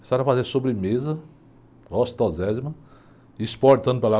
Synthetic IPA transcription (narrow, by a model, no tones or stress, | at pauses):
saɾɐfazesobɾɪmezɐ | ɔst̪ɔzɛzmɐ̃ | ispoɾt̪ɐ̃nd̪ʊpela